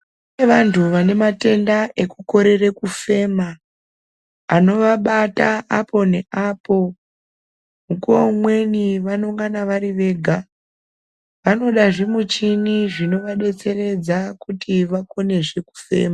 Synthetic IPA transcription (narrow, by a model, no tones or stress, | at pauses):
eʋantuʋane̞mate̞ndaʔe̞kuko̞ɾe̞rekufe̞ːma | no̞ʋaɓataʔapʰo̞ne̞aːpo̞ | mukomwe̞niʋanoŋɡanaʋaɾiʋe̞ːɡʱa | ʋano̞ɗaʐemut͡ʃiniʐino̞ʋaɗe̞t͡se̞re̞d͡zakutiʋako̞ne̞ʐe̞ku̥fe̞̰ːma